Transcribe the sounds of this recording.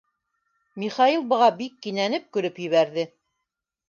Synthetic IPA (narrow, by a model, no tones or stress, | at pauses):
miχɑilˠbɤ̆ʁɑbikːinænɘp̚kɵ̆ɾɘpjɘ̆βæɾðɘ